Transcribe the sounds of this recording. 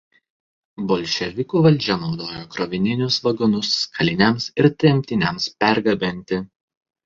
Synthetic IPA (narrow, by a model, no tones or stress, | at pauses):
bolʲʃʲɛʋʲɪkuːʋɐlʲˑd͡ʒʲɛnɒʊd̪oːjokɾoʋʲɪnʲɪnʲʊsʋɐɡɔnʊskʰɐlʲɪnʲɛmsɪɾt̪ʲɛmʲt̪ʲɪnʲɛmspʲæɾɡɐbʲɪnʲt̪ʲɪ